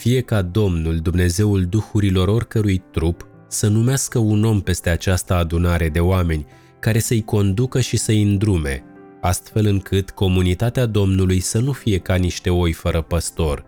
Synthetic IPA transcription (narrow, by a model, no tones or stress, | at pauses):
fije̞kad̪o̞mnuld̪umne̞ze̞uld̪uxuɾilo̞ɾo̞rkəɾujt̪ɾup | sənumeaskəuno̞mpe̞st̪e̞at͡ʃast̪əad̪unaɾe̞d̪e̞oame̞nʲ | kaɾe̞səɨjko̞nd̪ukəʃisəjɨnd̪ɾume̞̰ | ast̪fe̞lɨŋkʰɨt̪ko̞munit̪at̪ead̪o̞mnulujsənufije̞kaniʃt̪e̞o̞jfəɾəpəst̪o̞r